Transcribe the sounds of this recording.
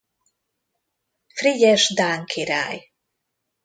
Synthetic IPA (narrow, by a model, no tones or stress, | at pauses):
fɾiɟɛʃd̪aŋkʰiɾa̰j